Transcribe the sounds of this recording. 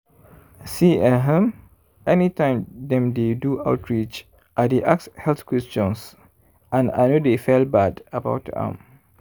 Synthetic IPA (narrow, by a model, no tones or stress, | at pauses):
siɛɦɛ̃m | ʔɛnitãɪmdɛ̃mdedua̰wtɹit͡ʃ | ʔadeʔakshɛlθkwɛst͡ʃɔ̃ns | ʔãna̰jnodefɛlbadaba̰wtã̰m